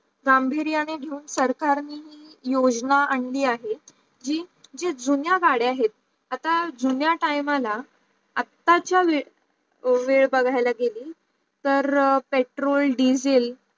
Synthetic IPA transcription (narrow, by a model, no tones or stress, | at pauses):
ɡambʱeɾjaneɡʱeuːnsəɾkaɾniːɦiːjod͡ʑnaaɳliːaɦe | d͡ʑiːd͡ʑed͡zunjaɡaɽeaɦet̪̚ | at̪ad͡zunjaʈajmala | at̪ːat͡ɕjaʋe | ʋeɭbəɡʱajlaɡeliː | t̪əɾpeʈɾolɖid͡zel